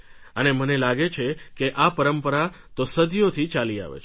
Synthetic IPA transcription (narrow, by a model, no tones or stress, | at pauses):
ənemənelaɡet͡ʃʰekeʔapəɾəmpəɾa | t̪osəd̪ijot̪ʰit͡ʃalia̰ʋḛt͡ʃʰ